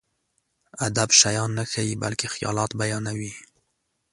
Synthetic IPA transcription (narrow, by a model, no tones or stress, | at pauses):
ad̪abʃajɑnːaxawiba̰lkexjɑ̰lɑt̪bajɑnawi